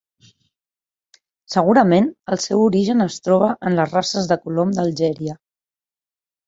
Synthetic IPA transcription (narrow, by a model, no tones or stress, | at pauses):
səɣ̞uɾəmenəlˠsɛwuɾiʒənəst̪ɾɔβəʔənləzrasəzðəkulomd̪əlˠʒɛɾiə